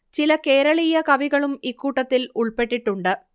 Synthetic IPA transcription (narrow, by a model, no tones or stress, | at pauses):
t͡ɕilɐke̞ːɾɐɭijɐkɐʋiɣɐɭumikːuːʈːɐt̪ːiluɭpe̞ʈːiʈːuɳɖɨ